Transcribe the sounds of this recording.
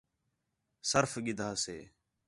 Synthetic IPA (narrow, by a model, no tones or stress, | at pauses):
səɾfɡɪd̪ʱaːsḛː